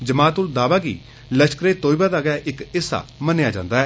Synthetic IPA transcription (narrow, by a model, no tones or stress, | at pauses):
d͡ʒəmaːt̪ʊld̪aːʋaːɡḭː | ləʃkɾeːt̪oːibaːd̪aːɡɛaʔɪkɪsːa̰ːmənjaːd͡ʒã̰ːnd̪aːɛː